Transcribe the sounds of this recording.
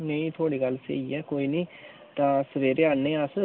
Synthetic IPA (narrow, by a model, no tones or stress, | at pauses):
neĩt̪ʰoːɽikalsḛːiɛːkoːiːniː | t̪ãːsəʋeːɾeanːẽːasə